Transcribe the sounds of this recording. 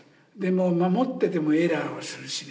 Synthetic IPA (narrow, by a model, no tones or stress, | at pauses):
d̪e̞momamot̪ːed̪e̞moeɾaosɨɾɯɕi